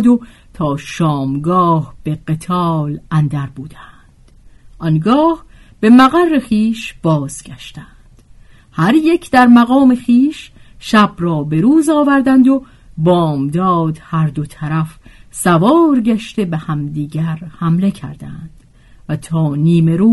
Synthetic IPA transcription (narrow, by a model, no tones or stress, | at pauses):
d̪o | t̪ʰɒːʃɒːmɡɒːhb̥e̞ɡet̪ʰɒːlænd̪æɾbuːd̪̥ænd̪̥ʔɒnɡɒːh | b̥e̞mæɣærːeχiːʃb̥ɒːz̥ɡæʃt̪ænd̪̥ | hæɾjecʰd̪æɾmæɣɒːme̞χiːʃʃæbrɒːbe̞ɾuːzɒːvæɾd̪ænd̪o | bɒːmd̪ɒːd̪hæɾd̪ot̪ʰæɾæfsævɒːɾɟæʃt̪e̞behæmd̪iːɟæɾhæmle̞cʰæ̰ɾd̪æ̰nd̪̥ | væt̪ʰɒːniːme̞ɾuː